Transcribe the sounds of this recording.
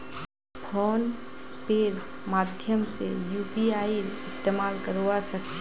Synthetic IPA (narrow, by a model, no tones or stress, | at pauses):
pʰoːn | peːɾmaːd̪ʱjəmsejuːpiaːiɪst̪eːmaːlkəɾʋasəkt͡ʃʰ